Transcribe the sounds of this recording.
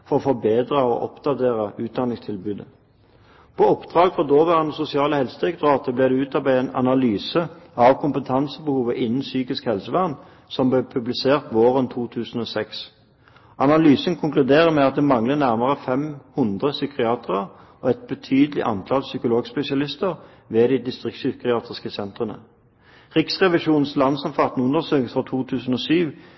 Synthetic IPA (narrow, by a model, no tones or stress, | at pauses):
fɔʁɔfɔbeːd̪ʁɑɔ̰ʔɔ̰pd̪̥ɑt̪eːʁəʉːt̪̚d̪ɑnɪŋst̪ʰɪlbʉːd̪ə | pʰɔɔpd̪̥ʁɑːɡfʁɔd̪oːʋæːʁnəsʊsɪɑːləhɛlsət̪ʁɪkd̪ʁɑːt̪ʰəblæːd̪ɛʉːt̪ɑbæɪɛnɑ̰nɑlyːsəɑʋkʰʊmpət̪ʰɑnsəbəhuːʋəʔɪnən̩syːkɪskhɛlsəʋæʁn | sɔmblɛːpʰʉblɪseːʁt̪ʋoːʁənt̪ʰuːt̪ʰʉːsən̩oːsɛks | ɑnɑlyːsənkʰʊŋklʉd̪eːʁəmɛɑt̪̚d̪ɛmɑŋlənæʁməʁəfɛmhʊnd̪ʁəsʏkʁɪɑːt̪əʁəʁ | ɔɛt̪̚bət̪ʰyːd̪əlɪ̰ʔɑ̰nt̪ʰɑlsʏkʊloːɡspɛsɪɑlɪst̪əʁ | ʋeːd̪ɪd̪ɪst̪ʁɪksʏkɪɑːt̪ʰəʁskəsɛnt̪ʁənə̰ | ʁɪksʁɛʋɪʃuːnn̩slɑnsɔnfɑt̪n̩ʉnd̪əʁsøːkəfɑt̪ʰuːt̪ʰʉːsn̩oːsyːʋ